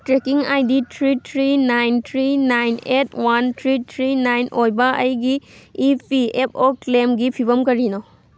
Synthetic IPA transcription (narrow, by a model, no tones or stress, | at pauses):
tɾekiŋajditʰɾitʰɾinajntʰɾinajnet̚ʰwantʰɾitʰɾinajnʔojbɐʔɐjɡiːpʰiep̚ʰoklemɡipʰibɐmkɐɾino